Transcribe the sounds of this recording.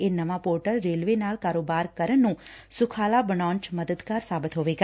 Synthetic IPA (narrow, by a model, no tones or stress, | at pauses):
enəʋãpoɾʈəɾːelʋenaɭkaɾobaɾkəɾənːũ | sʊkʰalabəɳãnt͡ʃməd̪əd̪kaɾsabət̪ʰɦoʋeɡa